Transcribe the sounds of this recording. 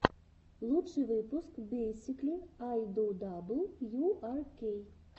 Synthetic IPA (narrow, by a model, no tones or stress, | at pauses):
lˠutʂɨjʋɪpʊskbesʲiklʲiajd̪ɔd̪ablˠjuarkej